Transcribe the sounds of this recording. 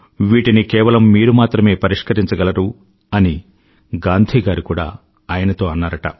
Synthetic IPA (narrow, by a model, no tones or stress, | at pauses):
ʋiːʈinikɛːʋɐlɐmːiːɾumaːt̪ɾɐme̞ːpɐɾiʂkɐɾiɲt͡ʃɐɡɐlɐɾu | ɐni | ɡaːnd̪ʱiːɡaːɾikuːɽa̰ː | aːjɐnɐt̪o̞ːɐnːaːɾɐʈɐ̰